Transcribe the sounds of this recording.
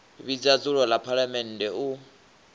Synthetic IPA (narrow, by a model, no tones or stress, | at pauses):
βid͡zat͡sʼuɺɔlapʰalamɛn̩dɛu